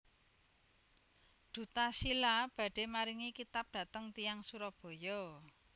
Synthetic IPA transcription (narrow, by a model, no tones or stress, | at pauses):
d̪̥ṳt̪asilab̥ä̤ɖ̥e̤maɾiŋikit̪ap̚d̪̥ä̤t̪əŋt̪ijaŋsuɾɔb̥o̤jɔ